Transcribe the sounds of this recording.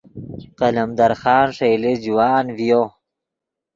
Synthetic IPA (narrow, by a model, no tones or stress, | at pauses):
qɐlɐmd̪ɐɾxɑːnʂejled͡ʒuwaːnvijo